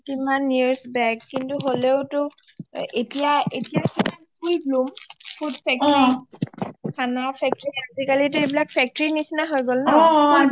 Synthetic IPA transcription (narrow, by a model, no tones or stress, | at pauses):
timanːiɹsbɛkːintuɦoleʊtʊ | etijaetijakibʰankujblumpʰudpʰɛk̚tɹi | kʰanapʰɛk̚tɹiazikalitʊejbilak̚pʰɛk̚tɔɹinisinaɦojɡolnɔa